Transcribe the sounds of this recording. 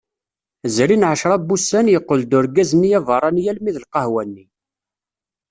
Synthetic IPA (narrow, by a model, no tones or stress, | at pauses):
zɾinʕəʃɾˤɑbːusːænjəqːəld̪ʊɾɡæzənːijævɑɾˤɑnjælmiðəlqɑhwænːi